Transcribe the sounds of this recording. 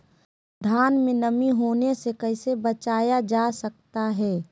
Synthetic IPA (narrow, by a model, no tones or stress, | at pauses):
d̪ʱaːnmẽnɐmiɦoːnesekɐɪsebɐt͡ʃaːjad͡ʒaːsɐk̚t̪aɦɛː